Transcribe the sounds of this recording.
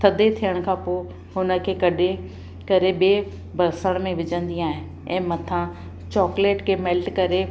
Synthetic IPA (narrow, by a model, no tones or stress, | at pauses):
t̪ʰɐd̪ʱet̪ʰijəɽ̃̆kʰãːpoː | ɦʊnə̆kʰeːkɐɗe | kɐɾeɓeː | bʱɐɾsəɽ̃mẽʋɪd͡ʑə̃nd̪ĩaːɦẽ | ɛ̃ːmɐt̪ʰã | t͡ɕɔːkleːʈkʰemɛlʈkɐɾe